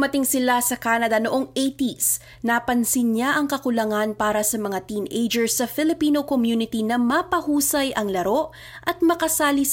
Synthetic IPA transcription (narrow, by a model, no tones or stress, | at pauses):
mɐt̪ɪŋsɪlasɐkaːnɐd̪ɐnoʔoŋʔejt̪is | naːpɐnsɪnɲaʔɐŋkɐkʊlɐŋanpaːɾɐsɐmɐŋat̪iːnʔejd͡ʒɛɹsːɐfɪlɪpiːnokomjunɪt̪inɐmɐpɐhuːsɐjʔɐŋlɐɾo̞ʔ | ʔɐt̪̚mɐkɐsaːlis